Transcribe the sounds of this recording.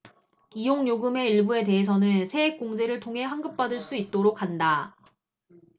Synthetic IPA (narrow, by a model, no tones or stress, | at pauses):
ijoŋɲoɡɯme̞iɭbue̞te̞ɦes̬ʰʌnɯnsʰe̞ek̚k͈oŋd͡ʑe̞ɾɯɭtʰoŋɦe̞ɦaŋɡɯp̚p͈adɯɭs͈uit̚t͈oɾok͈̚ʰːanda